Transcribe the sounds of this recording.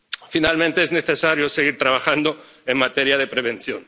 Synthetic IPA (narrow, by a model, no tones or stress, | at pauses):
finalmẽnt̪eezneθe̞saɾjoseɣiɾt̪ɾaβaxand̪o̞ | eŋmat̪eɾjaðe̞pɾeβ̞ẽ̞nθjon